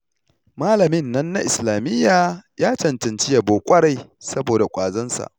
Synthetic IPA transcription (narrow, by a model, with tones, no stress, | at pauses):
maː˦lɐ˨mɪ˦nːɐ˦nːa˦ʔɪ˨slaː˨mɪ˦jːaː˨jaː˦t͡ʃɐ˨ntɐ˨nt͡ʃɪ˦ja˨boː˨kʷʼɐ˦ɾa˦˨jsɐ˦boː˨da˨kʷʼaː˨zɐ˦nsa̰˨ʔ